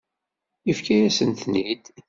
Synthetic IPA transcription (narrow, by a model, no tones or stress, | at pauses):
jəfkæɾæsənt̪nid̪̥